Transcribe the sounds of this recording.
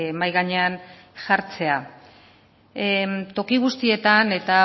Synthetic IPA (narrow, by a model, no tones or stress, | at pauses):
majɣaɲe̞an | ʝaɾt͡se̞a | t̪o̞kiɣ̞ust̪ie̞t̪ane̞t̪a